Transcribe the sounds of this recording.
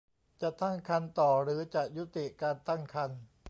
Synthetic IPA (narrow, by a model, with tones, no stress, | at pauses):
t͡ɕa˨˩t̪a˥˩ŋkʰa˧nt̪ɔː˨˩ɾɯː˩˦t͡ɕa˨˩ʔju˦˥t̪i˨˩ʔkaː˧nt̪a˥˩ŋkʰa˧n